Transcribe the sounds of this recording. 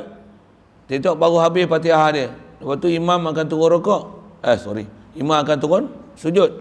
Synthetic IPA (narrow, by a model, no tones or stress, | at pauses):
t̪it̪ɔʔbaɡuɦabɪspat̪̬iaɦadiəlapat̪uimamakant̪uɣɔnɾokɔʔɛhso̰ɾḭimamakant̪uɣɔnsud͡ʒʊt̪̚